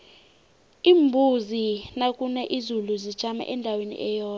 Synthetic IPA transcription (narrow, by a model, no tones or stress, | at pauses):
iːmbʱuzinakʼunɛʔizuluzid̥ʒ̥ʱama̰ʔɛndʱawenḭʔɛjɔːn